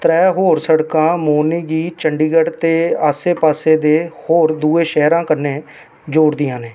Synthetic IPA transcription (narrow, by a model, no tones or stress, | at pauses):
t̪ɾɛːɦoːɾsəɽkãːmoːniːɡiːt͡ʃəɳɖiːɡəɽt̪eːaːseːpaːseːd̪eːhoːɾd̪uːeːʃɛːɾãːkəɾneː | d͡ʒoːɽd̪ɪjãːneː